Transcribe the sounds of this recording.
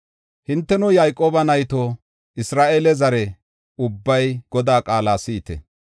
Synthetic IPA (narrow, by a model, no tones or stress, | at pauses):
hɪnt̪ːɛnɔjajkʼoːbɐnɐjt̪oː | ɪsɾaːʔeːlɛzɐɾɛ | ʊbːɐjɡ̥ɔd̪aːkʼaːlaːsiːt̪ɛ̰